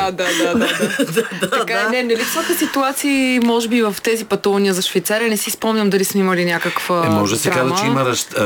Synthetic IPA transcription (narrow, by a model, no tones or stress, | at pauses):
ad̪ad̪aad̪t̪ɐdkaɛnɛnɛlifsok̪əsit̪uat̪siːmɔʒɛbivɐft̪ɛzipɐt̪uvɐniəzɐʃvəjt̪saɾʲɐnɛsispɔmnʲəmd̪ɐlismɛiməlinʲjakəkvəɛmɔʒd̪ɐsiɾkazt͡ʃɛiməɾɐʃ